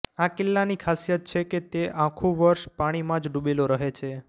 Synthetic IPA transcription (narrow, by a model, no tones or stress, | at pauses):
akɪlːanikʰasijət̪̚t͡ʃʰeket̪eãkʰũʋəɾʃpaɽ̃imãd͡ʒɖubeloɾəɦet͡ʃʰe